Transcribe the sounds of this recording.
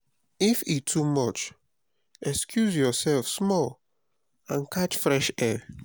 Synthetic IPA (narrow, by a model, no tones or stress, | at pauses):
ifitʰumɔt͡ʃ | ɛkskʰjuzjɔsɛlfsmɔl | ãnkʰat͡ʃfɹɛʃɛ